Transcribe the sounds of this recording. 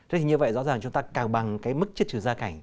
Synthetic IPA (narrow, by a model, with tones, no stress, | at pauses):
a˨˧˦t̪ʰi˨˩ɲɨ˧və̰˧˨jzɔ̰˧˥zaː˨˩ŋt͡ɕʊ˨˦ŋ͡mt̪aː˧kaː˨˩wɓa˨˩ŋkaː˨˦jmɨ˦˥k̚t͡ɕi˦˥t̚t͡ɕʰɨ˧˩zaː˧ka˧˩jŋ̟